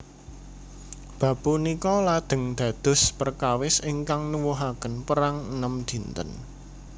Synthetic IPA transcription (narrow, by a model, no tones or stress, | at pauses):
b̥ä̤b̥unikɔlad̪̥ə̤ŋd̪̥ä̤d̪̥ʊ̤spərkawɪsɪŋkaŋnuwuɦakənpəɾaŋənəmd̪̥i̤nt̪ə̰n